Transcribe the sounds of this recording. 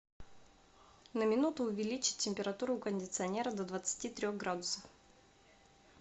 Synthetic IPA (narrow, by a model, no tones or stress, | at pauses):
nəmʲɪnut̪ʊːvʲɪlʲit͡ɕɪ̥t̚ʲtʲːɪmʲpʲɪɾɐt̪uɾʊkənʲdʲɪt̪sɨɐnʲe̞ɾəd̪əd̪vət̪sɨ̥tʲit̪ɾʲoɣɡɾad̪ʊsəf